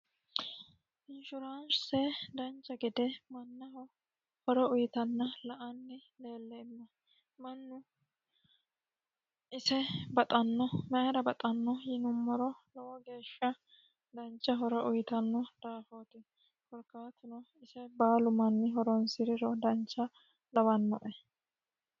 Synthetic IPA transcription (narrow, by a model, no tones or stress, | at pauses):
ɪnʃʊɾanʃsɛd̪ɐnt͡ʃːɐɡɪd̪ɛmɐnːɐhɔ | hɔɾɔʊjɪt̪ɐnːɐlɐʔɐnːɛ | le̞ːlːɛmːɐ | mɐnːʊ | ɪsɛbɐt̪ʼɐnːɔmɛɾɐbɐt̪ʼɐnːɔjɪnʊmːɔɾɔlɔwɔɡe̞ːʃːɐ | d̪ɐnt͡ʃːɐɦɔɾɔʔʊjɪt̪ɐnːɔd̪̥aːfoːt̪ɪ | hɔɾkaːt̪ɪnɔ | ɪsɛbaːlʊmɐnːɪɦɔɾɔnsɪɾɪɾɔd̪ɐnt͡ʃːɐ | lɐwɐnːɔʔɛ